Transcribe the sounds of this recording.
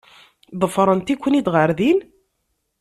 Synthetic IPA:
ðˤəfɾˤənt̪ikʷːənid̪ʁəɾðin

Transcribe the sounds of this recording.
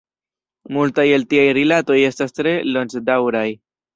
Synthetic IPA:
multajeltiajɾilato̞je̞stastɾe̞lont͡ʃdawɾaj

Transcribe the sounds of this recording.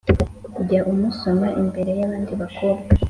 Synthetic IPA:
uɟaʔumuso̞maʔimbe̞ɾe̞jaβaːndiβakʰoːbɡa

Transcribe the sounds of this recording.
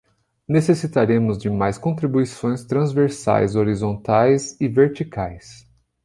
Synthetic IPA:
nesesit̪aɾẽmʊzd͡ʒɪmajskõnt̪ɾibuisõj̃st̪ɾɐ̃zveɾsa̰jzoɾizõnt̪ajzɪveɾt͡ʃikajs

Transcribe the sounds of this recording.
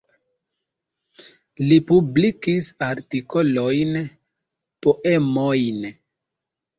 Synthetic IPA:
lipublikisaɾtiko̞lo̞jn | poʔemojn

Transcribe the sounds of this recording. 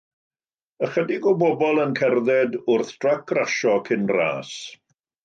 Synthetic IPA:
əχədɪɡɔbɔbɔlˠənkʰɛrðɛdʊrθd̥rakʰraʃɔkʰɪnra̰ːs

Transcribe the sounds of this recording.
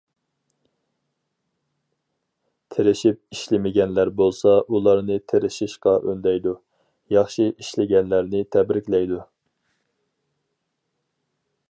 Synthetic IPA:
t̪ʰeɾɪʃip̚iʃlɪmɪɡʲɛnlæɾbolˠsɑʔulˠɑɾnɨt̪ʰeɾɪʃɪʃqɑʔønd̪ɛjd̪u | jɑχʃiʔiʃlɪɡʲɛnlæɾnɪt̪ʰɛbɾɪkʲlɛjd̪u

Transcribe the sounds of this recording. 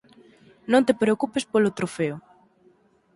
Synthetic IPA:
nõnt̪epɾeokupespolot̪ɾofeʊ

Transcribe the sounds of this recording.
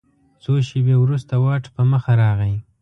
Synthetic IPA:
soʃebewɾust̪awɑʈpəməxaɾɑɣəj

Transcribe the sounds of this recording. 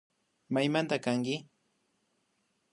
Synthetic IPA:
majmant̪akaŋkɪ

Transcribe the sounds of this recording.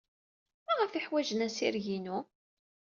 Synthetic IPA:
mæʁəfiħwæʒənæsiɾʝinu

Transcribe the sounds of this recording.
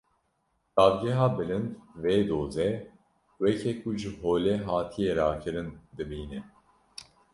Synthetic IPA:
d̪̥ɑːvɡɛɦɑːbɨlɨnd̪veːd̪oːzɛ | wɛkʰɛkʰuʒɨɦoːlɛɦɑːt̪ʰijeɾɑːkʰɨɾɨnd̪ɨbiːnɛ

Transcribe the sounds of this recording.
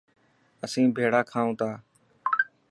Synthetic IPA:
əsĩːbʱeːɽaːkʰaːũːt̪aː

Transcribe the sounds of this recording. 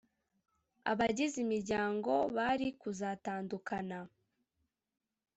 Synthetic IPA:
a̰βaɟizimiɾɟaːŋɡo̞βaɾikuzaːtaːndukʰana

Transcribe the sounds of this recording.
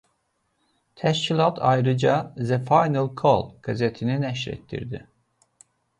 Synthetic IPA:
t̪ʰæʃcʰilˠɑt̪ʰɑjɾɯd͡ʒɑzɛfajnalˠkʰolˠɡ̥azet̪ʰininɛʃɾḛt̪ʰːḭɾd̪i

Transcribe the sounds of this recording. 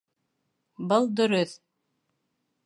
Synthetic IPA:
bɤlˠd̪ɵ̆ɾɵθ

